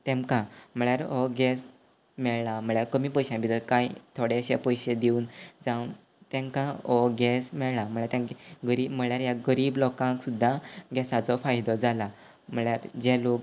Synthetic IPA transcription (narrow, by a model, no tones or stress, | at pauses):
t̪ɛ̃mkãm̤əɭjaɾɔɡɛs | mɛɭlam̤əɭjaɾkəmiːpɔjɕãmbid̪əkãjt̪ʰoɽeəɕepɔjɕed̪euːnd͡zaʋun | t̪ɛ̃ŋkãɔɡɛsmɛɭlam̤əɭjaɾt̪jãŋkɡəɾiːbm̤əɭjaɾjaɡəɾiːblɔkãŋksud̪ʱːaɡɛsat͡sɔfajd̪ɔd͡zala | m̤əɭjaɾd͡ʑɛlok̚